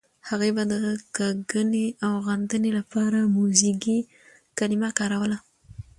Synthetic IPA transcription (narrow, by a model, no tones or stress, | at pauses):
haɣejbad̪əɣakaɡəneawɣand̪ənelapɑɾamuziɡi | kalɪmakɑɾawəla